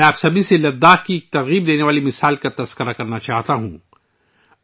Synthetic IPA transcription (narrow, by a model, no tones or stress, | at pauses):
ɛ̃aːpsɐbʱiselɐd̪ːaːkik̚t̪ɐɣiːbd̪eːneʋaːlimɪsaːlkat̪ɐz̥kəɾakɐɾnat͡ʃaːɦt̪aɦṵ̃